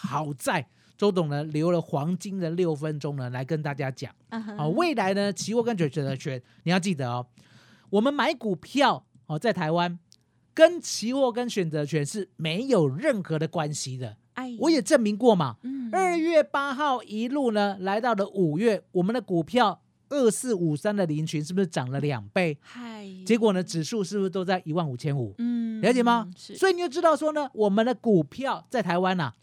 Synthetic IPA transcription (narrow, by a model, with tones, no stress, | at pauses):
xɑ˨˩ʊt͡sa˥˩ɪ | t͡so˧˥ʊt̪ʊ˨˩ŋlə˨˦ljo˧˥ʊlə˨xwɑ˧˦˥ŋt͡ɕi˥ŋd̪ə˨ljo˥˩ʊfə˦nʈ͡ʂʊ˦ŋnə˨la˧˥ɪkə˦nt̪a˥˩t͡ɕja˥t͡ɕjɑ̰˨˩˦ŋxɔ˧˩we˥˨˩ɪla˧˥ɪnə˧t͡ɕʰi˧˥wɔ˥˧kə˦nɕɥɛ˨˦nɕɥɛ˨nt͡sə˧˦t͡ɕʰɥɛ˧˥nni˨jɑ˥˧ʊt͡ɕ̬i˥˩d̪ə˩ɔ˨˩ | wɔ˨˩mə˨nma˧˥ɪku˨˩pʰjɑ˥˨ʊ | hɔ˨˩t͡sa˥˩ɪt̪ʰa˧˥ɪwa˦n | kə˦˥nt͡ɕʰi˧˥xwɔ˥˧k̬ə˦˥nɕɥɛ˨˩nt͡sɤ˧˦˥t͡ɕʰɥɛ˧˥nʂɻ̩˥˩me˧˥ɪjo˨˩ʊɻə˥˩nxɤ˧˦ɾə˧kwa˦nɕi˨d̪ə˨ | wɔ˧˥jɛ˨˩ʈ͡ʂə˥˩nmi˧˥ŋkwɔ˥˩mɐ̰˨˩ə˞˥˧˩ɥɛ˥˩pa˥xɑ˥˩ʊʔi˧˥lu˥˩nə˨la˧˥ɪt̪ɑ˥˩ʊlə˨˩ʔu˨˩ɥɛ˥˩wɔ˨˩mə˦nd̪ə˨ku˨˩pʰjɑ˥˧ʊ | ə˥˧sɹ̩˥˩u˨˩sa˥nd̪ə˨li˧˥nt͡ɕʰy˧˦nʂɻ̩˥˩bu˩ʂɻ̩˥˩ʈ͡ʂɑ˨˩ŋlə˦ljɑ̰˨˩ŋpe˥˩ɪt͡ɕjɛ˧˥kwɔ˨˩nə˦ʈ͡ʂɻ̩˨˩ʂu˥˧ʂɻ̩˥˩bu˩ʂ̩˥˧t̪o˥ʊt͡sa˥˩ɪʔi˧˥wa˥˩nu˨˩t͡ɕʰjɛ˥nṵ˨˩˦ljɑ˧˦ʊt͡ɕjɛ˨˩ma˨wɔ˧˥i˨ni˨˩jo˥˩ʈ͡ʂɻ̩˥t̪ɑ˥˩ʊʂwɔ˥nə˨wɔ˨˩mə˨˦nd̪ə˧ku˨˩pʰjɑ˥˧ʊt͡sa˥˩ɪt̪ʰa˧˥ɪwa˦nɐ̰˨˩